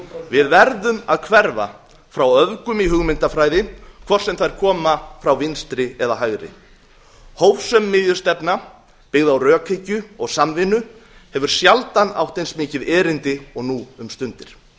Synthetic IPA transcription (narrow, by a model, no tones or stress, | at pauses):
vɪðvɛɾðʏmaðkʰvɛɾva | fɾawœvkʏmiɦʏɣmɪnt̪afɾaːjðɪkʰvɔr̥sɛmθajɾ̥kʰɔːmafɾawvɪnst̪ɾɪɛðaɦaɣɾɪ̰ | howvsœmːɪðjʏ̥st̪ɛpna | pɪɣðawrœːkʰɪcʏɔɣsamvɪnːʏhɛvʏɾ̥sjalt̪ana̰wht̪ejnsmɪːcɪðɛːɾɪnt̪ɪɔɣnuʏmst̪ʏnt̪ɪɾ̥